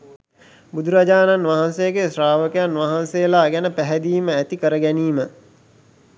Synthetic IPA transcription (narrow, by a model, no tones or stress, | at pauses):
bud̪ʱuɾad͡ʒaːnanʋaɦansejəɡesraːʋəkejanʋaɦansejəlaːɡænəpæɦæd̪iːməæt̪ikəɾəɡæniːmə